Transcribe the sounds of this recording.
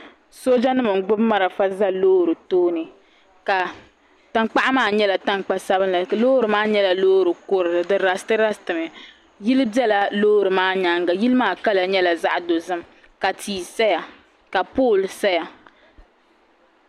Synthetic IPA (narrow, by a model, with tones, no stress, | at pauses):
so˦d͡ʒa˦nɨ˦mɨ˨ŋ˨ɡ͡bʊ˦bma˦ɾa˨fa˦za˦loː˦˨ɾɨ˨toː˦nɨ˨ | ka˨ | ta˦ŋk͡pa˦ʔa˦maː˦˨ɲɛ˦la˨ta˦ŋk͡pa˦sa˦bɨ˦n˦la˨loː˦ɾɨ˨maː˦ɲɛ˦la˨loː˦ɾɨ˨kʊ˦ɾɨ˨dɨ˨ɾa˨stɨ˦ɾa˦stɨ˨mɨ˨ | ji˦lɨ˦bɛ˦la˨loː˦˨ɾɨ˨maː˦ɲa˦ŋɡa˨ji˦lɨ˦maː˦ka˦la˨ɲɛ˦la˨za˦ʔdo˨zɨ˦m | ka˨tʰiː˨sa˦ja˨ | ka˨poː˦˨lsa˦ja˨